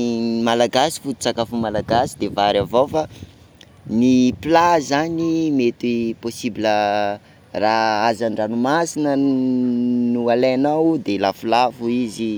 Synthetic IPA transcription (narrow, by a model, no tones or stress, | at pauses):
malaɡasi̥fut̪i̥t͡sakafumalaɡasid̪evaɾavofa | niplazanimet̪iposibilə | raazaɳɖ͡ʐanumasinə | nualaanawd̪elafulafuizi